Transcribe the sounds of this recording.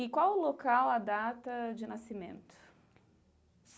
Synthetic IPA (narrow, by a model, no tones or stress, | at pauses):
ɪkwawʊlokawɐd̪at̪ɐd͡ʒɪnasimḛ̃nt̪ʊ̥ | s